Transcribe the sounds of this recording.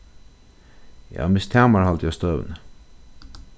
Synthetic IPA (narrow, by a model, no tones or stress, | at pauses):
ja̰ːmɪst̪ʰæːmaɹhalt̪əjast̪œːʋ̰nə